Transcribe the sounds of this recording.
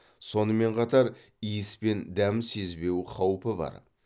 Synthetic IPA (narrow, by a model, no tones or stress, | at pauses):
so̞nəme̞ɴqʰɑt̪ɑɾ | ijɪspe̞nd̪æmse̞zbe̞wqʰɑwpəbɑ̰ɾ